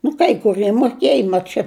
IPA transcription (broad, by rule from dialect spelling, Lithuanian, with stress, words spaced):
nʊ kɐɪ kʊˈrʲiɛ moːˈkʲeːjɛ mɐt ˈt͡ʃʲɛ